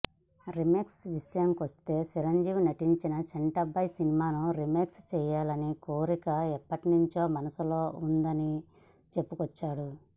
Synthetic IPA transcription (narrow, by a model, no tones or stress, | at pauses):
ɾimeːksʋiʂjɐŋkʋɐst̪e̞ːt͡ʃiɾɐɲd͡ʒiːʋinɐʈiɲt͡ʃinɐt͡ʃɐɳʈɐbɐjsinimaːnuɾimeːkst͡ʃɛːjaːlɐnikoːɾikɐɛpːɐʈinuɲt͡ʃo̞ːmɐnɐsulo̞ːund̪ɐni | t͡ʃe̞pːukɔt͡ʃːaːɽu